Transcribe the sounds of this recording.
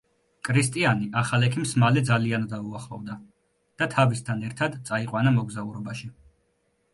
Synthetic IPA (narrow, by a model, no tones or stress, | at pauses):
kʰʼɾist̪ʼianiʔaχalɛkʰimsmalɛd̪zaliand̪auaχlˠɔvd̪a | d̪̥at̪ʰavist̪ʰanɛɾt̪ʰad̪t̪sʼaiqʼwanamɔɡzauɾɔbaʃi